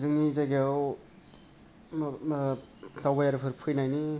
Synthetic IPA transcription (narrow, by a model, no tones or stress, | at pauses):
zɯŋnizajɡiaw | ɬawbajaɾpʰɯɾpʰɯjnajni